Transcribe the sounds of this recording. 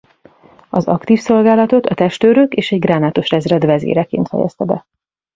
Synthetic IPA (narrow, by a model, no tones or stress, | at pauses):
ɒzɒkt̪iːfso̞lɡaːlɒt̪o̞t̪ɒt̪ɛʃt̪øːɾøkeːʃɛɟɡraːnaːt̪o̞ʃrɛzrɛd̪vɛzḛːɾɛkḛːnt̪fɛ̰jɛ̰st̪ɛbɛ̰